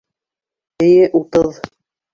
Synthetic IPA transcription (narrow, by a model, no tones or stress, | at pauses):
ɘ̆jɘʔut̪ɤð